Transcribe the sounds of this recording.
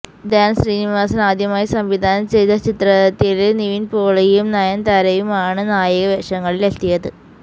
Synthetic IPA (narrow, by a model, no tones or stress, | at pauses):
d̪aːnsriːniʋaːsɐnaːd̪ʱjɐmaːjisɐmʋid̪ʱaːnɐmt͡ɕejt̪ɐt͡ɕit̪rɐt̪ːileniʋinpoːɭɐjjumnɐjɐnt̪ɐɾɐjumaːɳɨnaːjɐɣɐʋeʂɐŋːɐɭilelt̪ijɐðɨ